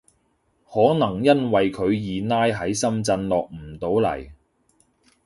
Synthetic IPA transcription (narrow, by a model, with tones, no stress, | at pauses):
hɔː˨˥nɐ˨˩ŋjɐ˥nwɐ˨jkʰɵ˨˧ɥjiː˨naː˥jɦɐ˨˥jsɐ˥mt͡sɐ˧nlɔː˨k̚m̩˨˩t̪o˨˥wlɐ̰˨˩j